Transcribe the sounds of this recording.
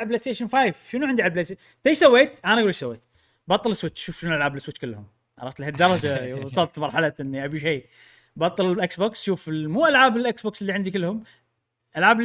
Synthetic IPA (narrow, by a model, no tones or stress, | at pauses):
blest̪eːʃɪnfaːjvʃɪnuʕɪnd̪iʕalblese | t̪eʃsawːeːt̪ʔanaʔɡulɪʃsawːeːt̪ | bɑt̪ˤːɨlɪswɪt͡ʃːʃuːfʃɪnlʔalʕaːblɪswɪt͡ʃːkɪlːhʊm | ʔɑɾˤɑft̪lhad̪ːɑɾˤɑd͡ʒasˤɑlt̪mɑɾˤħalaʔɪnːiʔabiʃiː | bɑt̪ˤːɨllʔɪksboːksʃuːfɪmuːʔalʕaːbɪlʔɪksboːksɪlːiʕɪnd̪ikɪlːhʊm | ʔalʕaːb